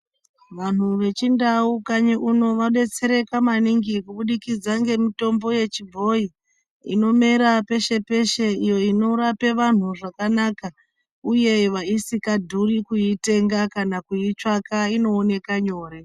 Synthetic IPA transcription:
ʋan̤uʋe̞t͡ʃindaukaɲiʔuno̞ʋaɓe̞t͡se̞ɾe̞kamaniŋɡikuɓuɗikid͡zaŋɡe̞mito̞mbo̞je̞t͡ʃibʱo̞i | ḭno̞me̞ɾape̞ʃe̞pe̞ʃe̞ijo̞ino̞ɾape̞ʋan̤uʐakanaka | uje̞ʋaisikadʱurikuite̞ŋɡakanakuit͡ʂakaino̞ːne̞kaɲo̞ːɾe

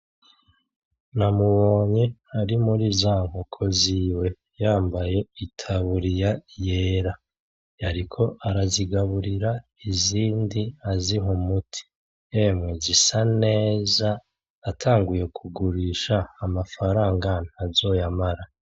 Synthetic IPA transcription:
namuβo̞ːɲeaɾimuɾizaːŋhokʰo̞ziwe̞ | jaːmbaje̞itʰaβuɾijaje̞ːɾa | jaɾikʰo̞ʔaɾaziɡaβuɾiɾa | iziːndiaziɦomutʰi̥ | jemŋezisane̞ːzaː | tʰaːŋɡuje̞kʰuɡuɾiʃaːmafaɾaːŋɡanazo̞jamaɾa

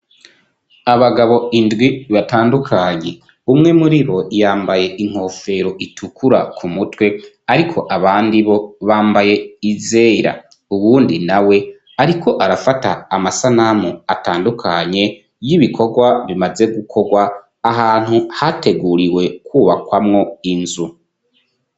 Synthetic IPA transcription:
aβaɡaβo̞indɡwiβataːndukʰaɲe̞ | umŋe̞muɾiɾo̞jaːmbaje̞ʔiŋ̥ho̞ːfe̞ɾo̞ʔitʰukʰuɾakʰumutwe̞ | aɾikʰo̞ʔaβaːndiβo̞βaːmbaje̞ize̞ːɾa̰ | uβuːndinawe̞ | aɾikʰo̞ʔaɾafataːmasanamuataːndukʰaɲe̞ | jiβikʰo̞ɡwaβimaze̞ɡukʰo̞ɡwaː | ɦaːn̥huhate̞ɡuːɾiwe̞kʰuːβakwamŋo̞inzu

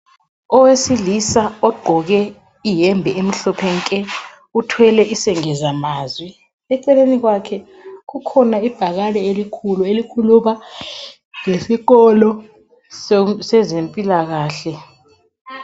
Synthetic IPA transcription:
ɔwesilisaɔɡ͡ǃʱɔɣɛ | ijɛmbʱɛem̩ɬɔpʰɛŋkʼɛ | utʰwɛlɛʔisɛŋɛzamaːzwi | ɛǀɛleniɣwakʰɛ | kukʰɔnaib̥ʱaɣalɛelikʰuluelikʰuluma | ŋesiɣɔlɔ | ssɛzempʼilaɣaːɬɛ

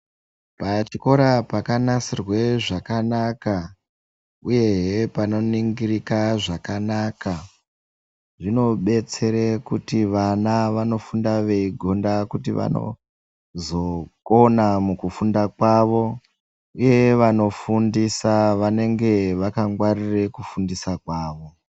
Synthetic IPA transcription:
pat͡ʃiko̞ɾapakanasirwe̞ʐakanaka | uje̞ɦepano̞niŋɡirikaʐakanaːka | ʐino̞ɓe̞t͡se̞ɾekutiʋanaʋano̞fundaʋe̞iɡʱo̞ndakutiʋa̰no̞̰ | zo̞ko̞namukufundakwaːʋo̞ | uje̞ʋano̞fundisaʋane̞ŋɡe̞ʋakaŋɡwarire̞kufundisakwaːʋo̞

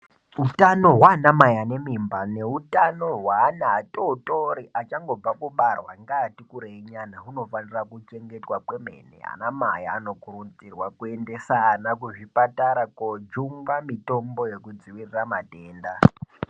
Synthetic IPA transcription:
utano̞ɦwanamajane̞mimbane̞utano̞ɦwaːnaːtotoɾiʔat͡ʃaŋɡo̞b͡vakuɓarwaŋɡaːtikuɾeiɲanauno̞fanirakut͡ʃe̞ŋɡe̞twakweme̞̰nḛa̰namaja̰ːno̞kurud͡zirwakue̞nde̞saːnak̬uʐipataɾakod͡ʒumɡamito̞mbo̞je̞kud͡ziʋiriramateːnda

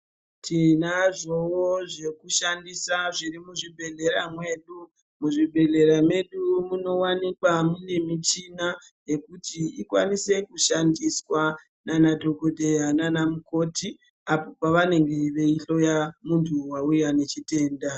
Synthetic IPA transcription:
tʰinaʐo̞woʐe̞kuʃandisaʐirimuʐibʱe̞ɮe̞ɾamwe̞ːɗu | muʐibʱe̞ɮe̞ɾame̞ɗumuno̞wanikwamune̞mit͡ʃina | je̞kutiikwa̰nise̞kuʃandiswa | nanadʱo̞ɡodʱe̞jananamuko̞ti | apo̞paʋane̞ŋɡe̞ʋe̞iɬo̞jamuntʰuwaujane̞t͡ʃite̞ːnda

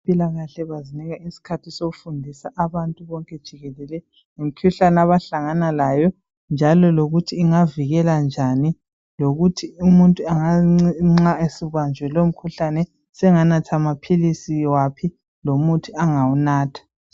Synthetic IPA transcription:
pʼilaɣaɬɛβaziniɣaisi̥kʰatʰisoɣufundʱisaʔaβantʼuβɔŋkʼɛd̥ʒ̥ʱiɣɛlɛlɛ | ŋem̩kʰuɬanaβaɬaŋanalajɔ | nd͡ʒʱalɔloɣutʰiːŋaviɣɛland͡ʒʱani | loɣutʰiumuntʼuaŋaŋ͡ǁaesiβwand͡ʒʱwɛlom̩kʰuɬanɛ | sɛŋanatʰamapʰilisiwapʰi | lomutʰiaŋawunaːtʰḁ

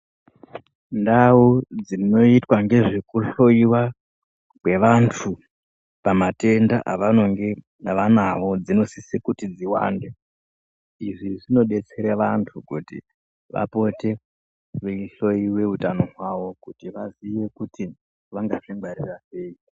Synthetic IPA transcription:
ndaud͡zino̞itwaŋɡe̞ʐekuɬo̞iwa | kwe̞ʋantʰu | pamate̞ndaʔaʋano̞ŋɡe | ʋanaʋo̞d͡zino̞sisikutid͡ziwa̰ːnde | iʐiʐino̞ɗe̞t͡se̞ɾeʋantʰukutḭ | ʋa̰po̞te̞ | ʋeɬo̞iwe̞ɦutano̞ɦwaʋo̞kutiʋaziʋe̞kuti | ʋaŋɡaʐeŋɡarirase̞i

